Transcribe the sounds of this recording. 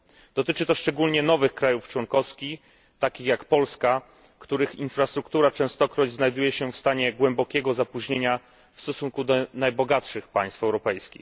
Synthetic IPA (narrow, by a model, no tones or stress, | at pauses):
d̪̥ɔt̪ɘt͡ʂɘt̪ɔʂt͡ʂɛɡulɲɛnɔvɘxkɾajuft͡ʂwɔŋkɔfskʲix | t̪akʲixjakpɔlska | kt̪uɾɘxinfɾast̪ɾukt̪uɾat͡ʂɛ̃w̃st̪ɔkɾɔd͡ʑznajd̪ujɛɕɛfst̪aɲɛɡwɛmbɔkʲɛɡɔzapuʑɲeɲa | fst̪ɔsuŋkud̪ɔnajbɔɡatʂɘxpa̰j̃st̪fɛwɾɔpɛjskʲḭx